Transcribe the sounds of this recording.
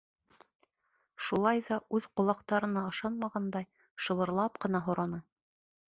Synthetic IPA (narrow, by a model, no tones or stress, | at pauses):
ʃulˠɑjðɑʉðqŏlˠɑqt̪ɑɾɤ̆nɑɤ̆ʃɑnmɑʁɑnd̪ɑj | ʃɤ̆βɤ̆ɾlˠɑpqɤ̆nɑɦŏɾɑnɤ